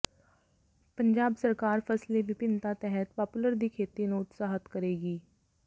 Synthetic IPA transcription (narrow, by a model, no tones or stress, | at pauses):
pə̃ɲd͡ʒaːbsəɾkaːɾpʰəsleʋɪpɪnt̪at̪ɛɦət̪paːpʊləɾd̪ikʰeːt̪inoːʊt̪saːɦət̪kəɾeːɡiː